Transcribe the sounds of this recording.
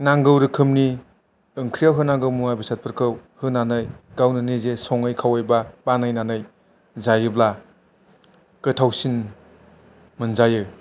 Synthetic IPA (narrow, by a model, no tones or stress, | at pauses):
naŋɡɯwɾɯkʰɯmni | ɯŋkʰɾijawɦɯnaŋɡɯwmuwajbasat̚pʰɯɾkʰɯwhɯnanɯjɡawnɯnezesɔŋɯjkʰawajbabanajnanɯj | zajɯbla | kɯtʰawsin | mɯnzajɯ